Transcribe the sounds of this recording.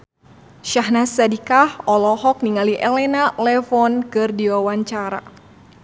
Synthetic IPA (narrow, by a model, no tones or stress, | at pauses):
ʃaɦnasadikahɔlɔɦɔk̚niŋaliʔɛlɛnalɛfɔnkɨrdiwawaɲt͡ʃaɾa̰